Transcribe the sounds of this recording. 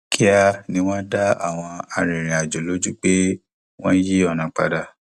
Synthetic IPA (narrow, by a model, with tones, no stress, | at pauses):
kʰi˦a˧nĩ˧w̃ɔ̃˦da˦a̰˦˨w̃ɔ̃˧a˧ɾĩ˨ɾ̃ĩ˨a˨d͡ʒo˨lo˨˦d͡ʒu˦k͡pe˦ | w̃ɔ̃˦ji˦ɔ˦˨nã˨k͡pa̰˧da˧